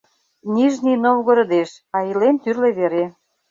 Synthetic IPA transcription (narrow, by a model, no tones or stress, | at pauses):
niʒninowɣɤ̆ɾɤ̆d̪eʃ | ɑilent̪yrleβeɾe